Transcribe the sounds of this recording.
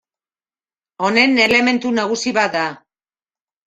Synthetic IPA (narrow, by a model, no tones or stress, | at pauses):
o̞ne̞ne̞le̞me̞nt̪unaɣ̞usiβat̪̚d̪a